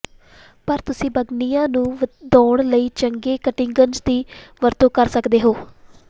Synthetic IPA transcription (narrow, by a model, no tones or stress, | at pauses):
pəɾt̪ʊsĩːbəɡnijãːnũːd̪ɔ̃ːɳləiːt͡ʃəŋɡeːkəʈɪ̃ŋɡənd͡ʒd̪iːʋəɾt̪õːkəɾsəkd̪eːɦoː